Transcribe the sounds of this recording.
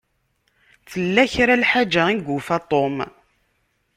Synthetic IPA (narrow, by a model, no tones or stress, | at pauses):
θəlːæçɾalħad͡ʒæiɡufat̪ˤom